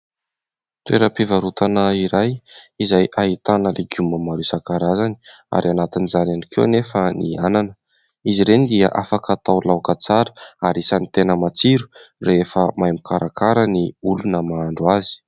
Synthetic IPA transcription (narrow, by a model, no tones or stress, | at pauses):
t̪ueɾəpivaɾut̪anəiɾajizajʔaɦit̪anəlʔeɡuməmaɾusakaɾazani̥a̰ɾianat̪inizananikewa̰nefəniananə | iziɾenid̪ia̰ʔafakat̪awlawkət͡saɾə̥aɾisanit̪enəmat͡siɾu̥refəmajmikʰaɾʔakaɾəniulunəmaaɳɖ͡ʐuazi̥